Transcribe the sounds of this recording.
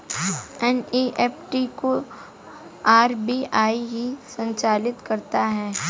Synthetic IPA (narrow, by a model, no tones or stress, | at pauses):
ɛneʔɛːpʈiko | aːɾbiaːiɦisə̃ɲt͡ʃaːlɪt̪kɐɾt̪aɦɛː